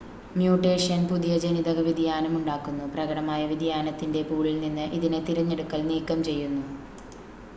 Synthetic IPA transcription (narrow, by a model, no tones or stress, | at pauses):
mjuːʈːe̞ːʂɐnpuðijɐd͡ʑeniðɐɣɐʋid̪ʱjaːnɐmuɳɖaːkːunːuprɐɣɐɽɐmaːjɐʋid̪ʱjaːnɐt̪ːinde̞puːɭilninːɨʔiðinɨt̪iɾɐɲːeɽukːɐlniːkːɐmt͡ɕe̞jːunːu